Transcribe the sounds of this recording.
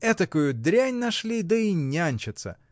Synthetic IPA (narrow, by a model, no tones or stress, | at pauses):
ɛt̪ɐkujʊd̪ɾʲænʲnɐʂlʲid̪əinʲːanʲt͡ɕɪt̪sə̰